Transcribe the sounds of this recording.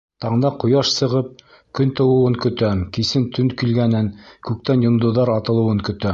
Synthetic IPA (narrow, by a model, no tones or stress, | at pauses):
t̪ɑɴnɑqŏjɑʃsɤ̆ʁɤp̚ | kɵnt̪ɤ̆wɤ̆wɤŋkɵ̆t̪ækisɘnt̪ʰɵnkilɡænɘnkʉk̚t̪ænjŏnd̪ŏðɑɾɑt̪ɤ̆lˠɤ̆wɤŋkɵ̆t̪æ